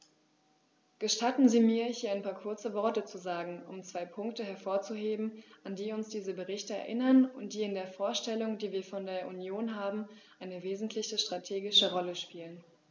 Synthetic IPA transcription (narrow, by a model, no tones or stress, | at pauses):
ɡ̥əʃtatn̩ziːmiːɐhiːɐaɪnmpʰaːɐkʰʊɐt͡səvɔɐtət͡suzaːɡŋ̩ʊmt͡sv̥aɪpʰʊŋktəɦɛɐfoːɐt͡suɦeːbm̩ʔandiːʊnsd̥iːzəbəʁɪçtəɛ̰ɐʔɪnɐnʊnt̚d̥iːɪndeːɐfoːɐʃtɛlʊŋdiːviːɐfɔndeːɐʔunjoːnɦaːbm̩ʔaɪnəveːzn̩tʰlɪçəʃtʁ̥atʰeːɡɪʃəʁɔləʃpiːlən